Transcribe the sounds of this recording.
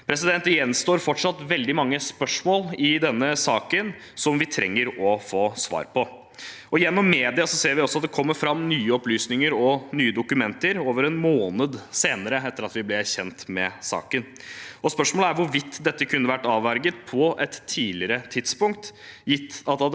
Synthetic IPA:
pʰɾɛs̬ɪd̪ɛnt̪ɪjɛnst̪oːɾfɔʈʂɑt̪ʋɛld̪ɪmɑŋːəspœʂmoːlɪd̪ɛnːəsɑːkən | sɔmʋɪt̪ʰɾɛ̰ŋːəɾɔfoːsʋɑ̰ːɾpʰɔ | ɔɪjɛnːɔmːeːd̪ɪɑsɔseːɾʋɪɔsɔɑt̪̚d̪ɛkʰɔmːəɾfɾɑmːnyːəɔplyːsnɪŋəɾɔnyːəd̪ʊkʉmɛnt̪əɾoːʋəɾɛnmoːnəd̪seːnəɾəɛt̪ːəɾɑt̪ʋɪblɛæɾçɛnt̪mɛsɑ̰ːkən | ɔspœʂmoːləæɾʋʊɾʋɪt̪ʰːd̪ɛt̪ːəkʰʉnːəʋæʈːɑːʋæɾɡət̪̚pʰɔʔɛt̪ʰːiːlɪɾət̪ʰɪd̪spʊŋk̚t̪jɪt̪ːɑt̪hɑ

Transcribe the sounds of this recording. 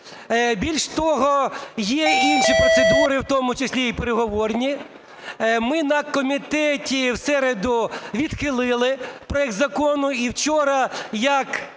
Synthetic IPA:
bʲilʲʃt̪ɔɦɔjɛinʃipɾɔtsed̪uɾɪwt̪ɔmʊt͡ʃesʲlʲiipeɾeɦɔʋɔrnʲi | mɪnɐkɔmʲit̪ɛtʲiwsɛɾed̪ʊʋʲid̪xɪlˠɪlˠɪpɾɔɛk̚t̪zɐkɔnʊiwt͡ʃɔɾɐjɐk

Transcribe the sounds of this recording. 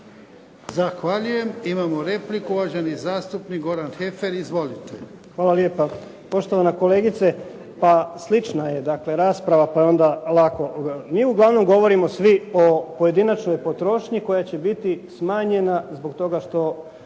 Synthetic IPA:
zaxʋaʎuje̞mimamoɾeplikuuad͡ʑanizaːst̪upnik̚ɡo̞ɾanxefeɾizʋo̞lit̪exʋaːlˠalje̞ːpa | po̞ʃt̪o̞ʋanako̞le̞ːɡit̪se | paslit͡ʃnaje̞d̪akle̞ɾaːspɾaʋapaeo̞nd̪alˠako̞miːuɡlˠaʋno̞mɡo̞ʋo̞ɾimo̞sʋio̞po̞je̞d̪inat͡ʃnojpo̞t̪ɾo̞ːʃɲiko̞jat͡ɕe̞bit̪ismaːɲe̞nazbo̞ɡt̪o̞ɡaʃt̪o̞

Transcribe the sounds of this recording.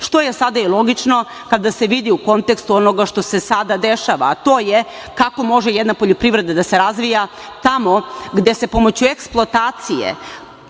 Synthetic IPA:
ʃt̪o̞je̞sad̪ailˠo̞ɡit͡ʃno̞ | kad̪ase̞ʋid̪iuko̞nt̪e̞kst̪uonoɡaʃt̪o̞se̞sad̪ad̪eʃaʋa̰ːt̪o̞ːje | kako̞mo̞ʒejed̪napo̞ʎopɾiʋɾe̞d̪ad̪ase̞ɾazʋija | t̪amo̞ɡd̪e̞se̞po̞mo̞t͡ɕueksplˠot̪aːt̪sijḛ

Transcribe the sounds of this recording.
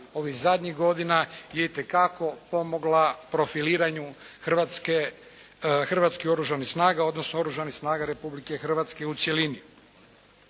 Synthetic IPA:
o̞ʋizad̪ɲiɣɡo̞d̪inajeit̪e̞kako̞po̞mo̞ɡlapɾo̞filiːɾaɲu | xr̩ʋat̪ske | xr̩ʋat̪skio̞ɾuʒanixsnaːɡao̞d̪nosnoo̞ɾuʒanixsnaːɡaɾe̞publike̞xr̩ʋat̪ske̞ut̪sjeliniu

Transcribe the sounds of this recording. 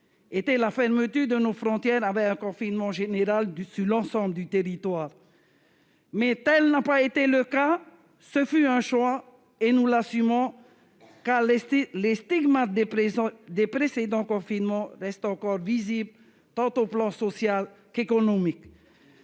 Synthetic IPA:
et̪ɛlafɛʁmət̪yʁd̪ənofʁɔ̃t̪jɛʁavɛkɛ̃kɔ̃finmɑ̃ʒeneʁalsyʁlɑ̃sɑ̃bld̪yt̪eʁit̪waːʁ | mɛt̪ɛlnapaet̪eləka | səfyɛ̃ʃwa | enulasymɔ̃ | kaʁllest̪iɡmad̪d̪epχesed̪ɑ̃kɔ̃finmɑ̃ʁɛst̪ɑ̃kɔʁvizibl | t̪ɑ̃t̪oplɑ̃sɔsjal | kekɔnɔmik

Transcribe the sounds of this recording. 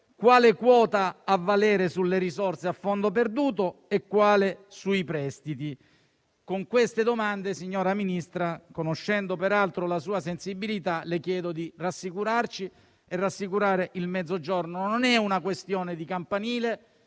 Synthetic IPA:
kwaːlekwɔːt̪aːvːalɛːɾesulːeɾizorseafːond̪op̬erd̪uːt̪oekːwaːlesuipɾɛst̪it̪i | koŋkwest̪ed̪omand̪esiɲːoːɾaminist̪ɾakonoʃːɛnd̪opeɾalt̪ɾolasuːasensibːilit̪alekjɛːd̪od̪irasːikuɾart͡ʃi | erːasːikuɾaːɾeʔilmɛd̪zːod͡ʒornononɛunakwest̪joːned̪ikampaniːle

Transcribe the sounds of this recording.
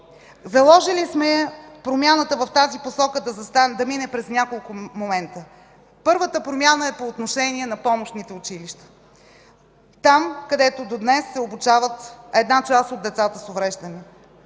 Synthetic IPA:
zɐlˠɔʒilismɛpɾomʲjanət̪əvɐft̪aziposɔkəd̪ɐzɐst̪ad̪ɐminɛpɾɛznʲakolˠkʊmomɛnt̪ə | pɤɾvət̪əpɾomʲjanəɛpoːt̪noʃɛniɛnɐpɔmoʃnit̪ɛʊt͡ʃiliʃt̪ə̥ | t̪amkɐd̪ɛt̪od̪od̪nɛsːɛobut͡ʃavət̪ɛd̪nat͡ʃasod̪̚ːɛt̪sat̪əsovɾɛʒd̪əni

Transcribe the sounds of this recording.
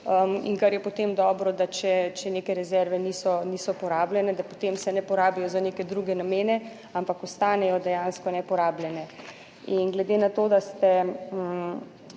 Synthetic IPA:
əmḭŋkaɾjɛpɔt̪emd̪ɔːbɾɔd̪at͡ʃɛt͡ʃɛneːkɛɾɛzɛɾʋɛnisɔnisɔpɔɾaːblʲɛnɛd̪apo̥t̪emsɛnɛpɔɾaːbijɔzaneːkɛd̪ɾuɡɛnameːnɛ | ampakɔst̪aːnɛjɔd̪ɛjanskɔnɛpɔɾaːbljɛnɛ | inɡlɛd̪enat̪oːd̪ast̪ɛ

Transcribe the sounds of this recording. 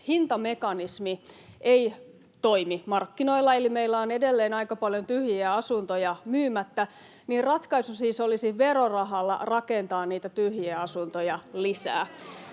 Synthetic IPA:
hint̪ɑmekɑnismiʔei | t̪o̞imimɑrkːinoilːɑelimeilːæoːnedelːeːnɑikɑpɑljont̪yhjiæɑsunt̪ojɑmyːmæt̪ːæ | niːrrɑt̪kɑisusiːsolisiʋerorɑɦɑlːɑ̰rɑkent̪ɑːnniːt̪æt̪yhjiæɑsunt̪ojɑlisæ̰ː

